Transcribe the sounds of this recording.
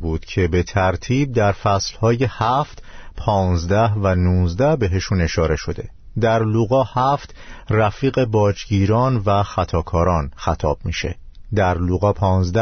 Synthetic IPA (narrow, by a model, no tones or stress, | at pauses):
buːd̪̥cʰe̞be̞t̪ʰæɾt̪ʰiːb̚d̪æɾfæslhɒːjehæft̪pʰɒːnzd̪æhvænuːzd̪æhbe̞ɦe̞ʃune̞ʃɒːɾe̞ʃo̞d̪e̞̰ | d̪æɾluɣɒːhæft̪ræfiːɣe̞bɒːd͡ʒɟiːɾɒːnvæxæt̪ʰɒːkʰɒːɾɒːnxæt̪ʰɒːb̥̚miːʃe̞̰d̪æɾluɣɒːpʰɒːnzd̪æ